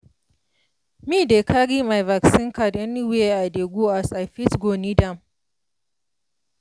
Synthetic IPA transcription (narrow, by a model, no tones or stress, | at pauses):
midekʰaɽimajvaksɪŋkadʔɛniweʔadeɡʷuʔasafisɡonidam